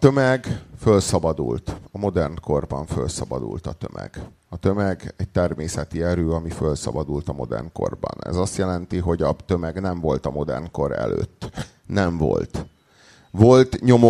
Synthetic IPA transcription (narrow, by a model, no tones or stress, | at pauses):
t̪ømɛɡfølsɒbɒd̪ṵlt̪ɒmo̞d̪ɛrnko̞rbɒɱfø̞lsɒbɒd̪ṵlt̪ɒt̪ømɛ̰ɡ̥ | ɒt̪ømɛɡɛc̚t̪ɛrmeːsɛt̪iɛɾøːɒmifølsɒ̰bɒd̪ult̪ɒmo̞d̪ɛ̰rnko̰rbɒnɛ̰zɒst̪jɛlɛnt̪iɦo̞ɟɒt̪ø̞mɛɡnɛɱvo̞lt̪ɒmo̞d̪ɛrnko̞ɾɛ̰lø̰ːt̪ː | nɛɱvo̞̰lt̪ | volt̪ɲo̞mo